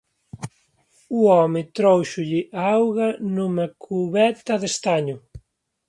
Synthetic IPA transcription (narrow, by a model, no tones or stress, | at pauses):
uɔmɪt̪ɾowʃʊʎɪʔawɣɐnumɐkʰuβɛt̪ɐðest̪aɲʊ